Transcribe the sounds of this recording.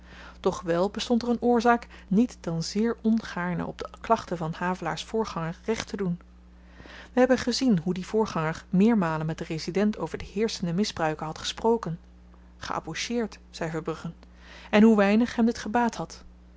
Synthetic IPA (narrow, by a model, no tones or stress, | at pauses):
d̥ɔχʋɛlˠbəstɔntɛrənʊːɹzaːk | nitd̥ɑnzɪːɹɔnχaːɹnə̰ʔɔ̰b̚dəklɑχtəvɑnhaːvəla̰ːɹsfʊːɹχɑŋəɹrɛχtədun | ʋəɦɛbənχəzinɦudivʊːɹχɑŋəɹmɪːɹmaːlənmɛt̚dərezidɛntowvəɹdəhɪːɹsəndəmɪzbrœɥkənɦɑtχə̥sprowkən | χə̰ʔɑ̰boʃɪːɹtsɛjvəɹbrɵχən | ɛnɦuʋɛjnəχɦɛmdɪtχəbaːthɑt